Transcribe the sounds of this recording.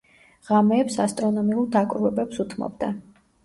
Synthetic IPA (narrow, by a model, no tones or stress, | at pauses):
ʁamɛːpsast̪ʼɾɔnɔmiuɾd̪akʼɾuɛbɛpsut̪ʰmɔ̰bd̪a